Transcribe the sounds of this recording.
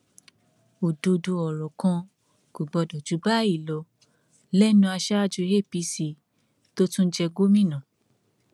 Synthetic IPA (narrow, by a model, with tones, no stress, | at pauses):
o˨do˧du˧ɔ˨ɾɔ˨kã˧ | ɡ̥o˨ɡ͡bɔ˧dɔ˨d͡ʒu˨˦ba˦i˦˨lɔ˧˦ | lɛ˦nũ˧a˧ʃa˦a˦d͡ʒu˧˦e˦˨pi˧˦si˨˧ | to˦tũ˦n̩˦d͡ʒɛ˧ɡo˦mĩ˦˨nã˨